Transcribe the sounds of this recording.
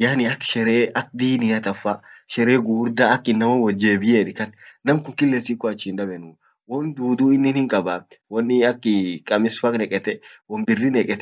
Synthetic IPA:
jaːnɪɐkːʃɛɾeːʔɐk̚d̪iːnɪɐt̪ɐfːaʃɛɾeːɡuːɾd̪aːɐkːɪnːɐmɐwɔd͡ʒːeːbɪjeːᶑɪkɐnnɐmkʊŋkɪlːesiːkːɔɐt͡ʃːiːnᶑɐbɛnuː | wɔnd̪uːd̪uːɪnːɪnhɪŋkʼɐbawɔnːɪɐkːɪkʼɐmɪsfɐkʼnɛkʼɛt̪ɛwɔnbɪrːinɛkʼɛt̪ɛ

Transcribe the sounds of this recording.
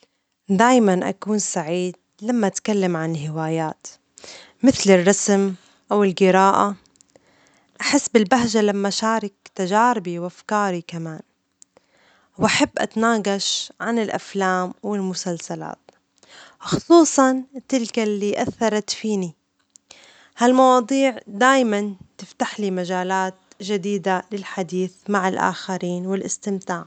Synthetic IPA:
d̪aːjmanʔa̰kuːnsaʕiːd̪̚ | lamːaʔat̪kalːamʕanɪlɦɪwaːjaːt̪ | mɪθlɪrˤːɑsm | ʔawɪlɡɪɾaːʔa | ʔaħɪsːbɪlbaɦʒalamːaʃaːɾˤɪk̚t̪aʒaːɾɪbiwʔafkɑːɾikamaːn | wʔaħabːʔa̰t̪anaːɡɑʃʕanɪlʔa̰flaːmwɪlmʊsalsala̰ːt̪ | wxʊsˤuːsˤɑnt̪ɪlkalːiːʔaθːɑɾˤɑt̪fiːni | halmɑwɑːd̪ˤiːʕd̪aːjmant̪ɪft̪aħlimaʒaːlaːt̪ | ʒɪd̪iːd̪alɪlħad̪iːθmaʕɪlʔa̰ːxaɾiːnwɪlʔɪst̪ɪmt̪aːʕ

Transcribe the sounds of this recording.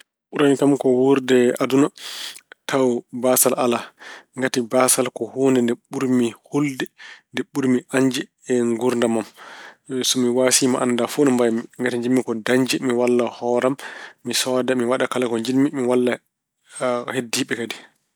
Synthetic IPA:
ɓuɾamikamkɔwuɾdɛaduna | tʰawbasalʔalaŋɡatibasalkɔhoːndɛndɛɓuɾmiholdɛndɛɓːuɾmiʔaɲd͡ʒɛ | ɛŋɡuɾndamam | sɔmiwasimaʔandafonɔmbajmiŋɡatiɲd͡ʒimːikɔdaɲd͡ʒɛmiwalːahɔːɾamːisɔdamiwaɗakalakɔɲd͡ʒinmimiwalːa | hedːiɓɛkadi

